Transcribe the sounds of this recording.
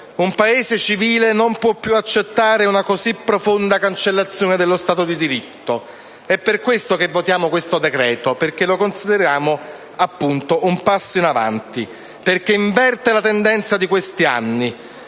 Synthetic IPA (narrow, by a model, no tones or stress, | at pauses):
umpaeːzet͡ʃiviːlenompwɔpːjuat͡ʃːet̪ːaːɾeunakozipːɾofond̪akant͡ʃelːat̪sːjoːned̪elːost̪aːt̪od̪id̪iɾit̪ːo | ɛpːerkwest̪okevːot̪jaːmokwest̪od̪ekɾɛːt̪operk̟elokonsid̪eɾjaːmo | apːunt̪oʔumpasːoinava̰nt̪i | perk̟eiɱvɛrt̪elat̪end̪ɛnt̪sad̪ikwest̪ia̰nːi